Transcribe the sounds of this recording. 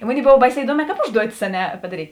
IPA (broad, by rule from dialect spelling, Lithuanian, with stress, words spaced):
ɪ ˈmoːnʲeːɪ ˈboːw ˈbɐɪˌsʲɛː ɪˈduɔˌmʲɛː ˈkɑːp ˈʊʒduɔtʲɪs ɐ ˈnʲɛ pɐdɐˈrʲiːtʲ